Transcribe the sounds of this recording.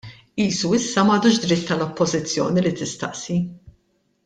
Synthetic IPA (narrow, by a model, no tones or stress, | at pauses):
iːsuɪsːɐmɐːd̪uːʃd̪ɾɪt̪ːɐlɔpːɔzɪt͡sːjɔ̰ːnilit̪ɪst̪ɐʔsi